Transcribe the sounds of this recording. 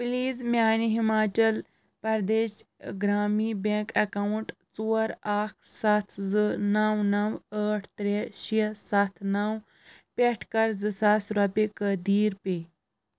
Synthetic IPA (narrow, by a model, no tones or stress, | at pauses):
pliːzmʲaːniɦimaːt͡ʃɐl | pɐɾd̪eːʃɡɾaːmiːbẽːkɐkawuɳʈt͡suɐɾakʰsɐt̪ʰzɨnawnɐwəːʈʰt̪ɾeʃisɐt̪ʰnaw | peʈʰkɐɾzɨsasɾɐpekəd̪iːɾpe